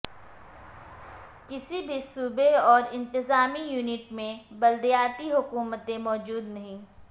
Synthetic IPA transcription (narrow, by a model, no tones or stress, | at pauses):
kɪsibʱisuːbeɔːɾɪ̃nt̪ɪzaːmijuːnɪʈmẽbɐld̪ijaːt̪iɦʊkuːmət̪ẽmɔːd͡ʒuːd̪nɐɦĩː